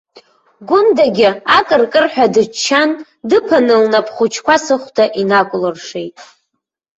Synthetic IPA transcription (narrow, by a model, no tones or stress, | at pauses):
ɡʷʊndaɡʲɪakʼɨrkʼɨrħᶣadɨt͡ʃʰːan | dɨpʰanɨlnapʰχʷʊt͡ʃʰkʷasɨχʷdʰaʔinakʷʼʊlɨrʂe̞jtʼ